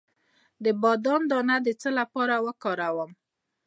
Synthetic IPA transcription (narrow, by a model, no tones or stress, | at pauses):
d̪əbɑd̪ɑnd̪ɑnad̪ət͡səlapɑɾawəkɑɾawəm